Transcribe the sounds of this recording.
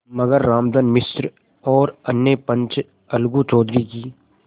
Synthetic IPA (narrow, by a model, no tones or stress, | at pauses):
mɐɡəɾːaːmd̪ənmɪsɾ | ɔːɾɐnːepə̃ɲt͡ʃ | ɐlɡut͡ʃɔːd̪ɾikiː